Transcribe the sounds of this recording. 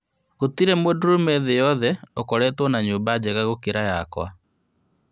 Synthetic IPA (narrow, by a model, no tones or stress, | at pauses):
ɣotiɾɛmwedɾomɛðejɔðɛokɔɾɛtwɔnaɲuːmbad͡ʑɛɣaɣokeɾajakwa̰